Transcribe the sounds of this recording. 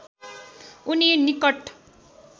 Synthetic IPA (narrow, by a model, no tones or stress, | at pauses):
uninikʌʈ